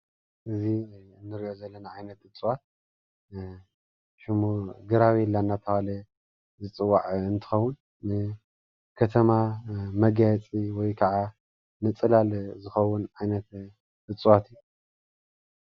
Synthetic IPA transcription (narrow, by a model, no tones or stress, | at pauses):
ʔɨziɨnːɨɾiʔo̞zɐlːɐnaʕajnɐt̪ɨt͡sʼuwat̪̚ | ʃɨmuɡɨɾaβilːanːat̪ʰɐhalɐ | zɨt͡sʼɨwːaʕɨnt̪ʰɨ̥xɐwːʊn | mɨ | kʰɐt̪ʰɐmamɐɡajt͡sʼiwɔjkʰɐʕa | nɨt͡sʼɨlalzɨxɐwːʊnʕajnɐt̪ | ɨt͡sʼwat̪iju